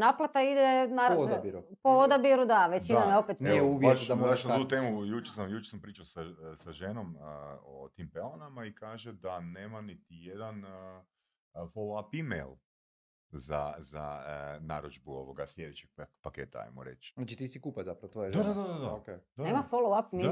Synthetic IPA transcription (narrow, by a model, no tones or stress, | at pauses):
naplˠat̪aid̪enaɾbiɾupood̪abiɾud̪aʋet͡ʃinnamjeopet̪nɛuʋjaat͡ʃnauːt̪eːmujut͡ʃeɾsamjut͡ʃeɾsampɾiːt͡ʃawsasaʒenomot̪iːmpelonamaikaːʒed̪aneːmanit̪ijed̪an | folˠoapimḛjlˠ | za̰za̰na̰ɾod͡ʒbuo̰ʋoɡaslʲjed̪et͡ʃeɡ̚pakeːt̪a̰a̰jmo̰ɾḛt͡ʃnat͡ʃit̪isikupazapɾɐʋot̪ojed̪ad̪ad̪ad̪ad̪aked̪aneːmafoloapm